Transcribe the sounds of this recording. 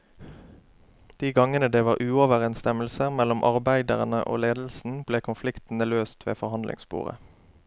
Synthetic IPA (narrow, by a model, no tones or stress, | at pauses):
d̪̥iːɡɑŋənəd̪eːʋɑːʁʔʉːɔʋəʁɛnst̪ɛməl̩səʁmɛlɔmʔɑʁbæɪd̪əʁənə̰ʔo̰ːleːd̪l̩sn̩bleːkʰʊnflɪkt̪n̩əløːst̪ʋḛːfɔʁhɑnd̪lɪ̰ŋsbṵːʁə̰